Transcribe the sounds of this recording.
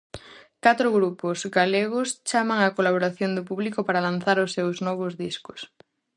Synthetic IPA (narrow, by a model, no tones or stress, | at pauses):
kat̪ɾoɣɾuposɡaleɣ̞ost͡ʃamaŋakolaβ̞oɾaθjond̪ʊpuβlikopaɾalan̟θaɾʊsːewznɔβ̞ozðiskʊ̥s